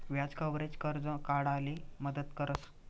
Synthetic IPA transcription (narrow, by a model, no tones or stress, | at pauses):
ʋjad͡zkəʋɾet͡ɕkəɾd͡zə̃kaɽaliməd̪ət̪kəɾəs